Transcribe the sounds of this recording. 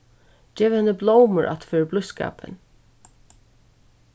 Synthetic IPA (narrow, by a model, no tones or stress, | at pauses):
d͡ʒɛːʋhɛnːəblowməɹʔa̰t̪feːɹəblʊska̰ːpə̰n